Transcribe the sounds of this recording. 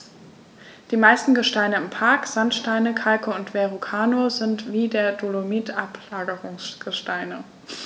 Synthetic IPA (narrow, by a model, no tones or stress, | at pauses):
d̥iːmaɪstn̩ɡəʃtaɪnəɪmpʰaɐkz̥antʃtaɪnəkʰalkəʊntv̥eʁukʰaːnozɪntv̥iːdeːɐdulomiːtʔaplaːɡəʁʊŋsɡ̥əʃtaɪnə